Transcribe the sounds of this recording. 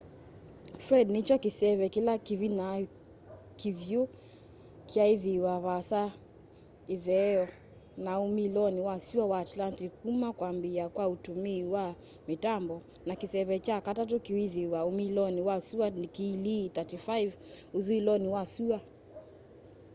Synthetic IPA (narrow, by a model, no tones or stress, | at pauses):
fɾɛdnit͡ʃɔkisɛβɛkilakivina | kivju | kʰiaiðiwaβasa | iðɛɔ | naumilɔniwasuawaːtlantikumakwambiakwautumiːwa | mitambɔ | nakisɛβɛt͡ʃakatat̬ukiiðiwaumilɔniwasuanikilitatifajvuðilɔniwasua